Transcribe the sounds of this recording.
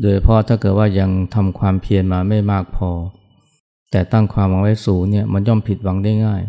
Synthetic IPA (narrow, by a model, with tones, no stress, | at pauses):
doː˧jt͡ɕʰa˧pʰɔ˦˥t̪ʰaː˥˩kɤː˨˩t̪̚waː˥˩ja˧ŋt̪ʰa˧mkʰwaː˧mpʰi˧ənmaː˧ma˥˩jmaː˥˩k̚pʰɔː˧ | t̪ɛː˨˩t̪a˥˩ŋkʰwaː˧mwa˨˦ŋwa˦˥jsuː˩˦ŋni˥˩əma˧njɔː˥˩mpʰi˨˩t̪̚wa˩˦ŋda˥˩jŋaː˥˩j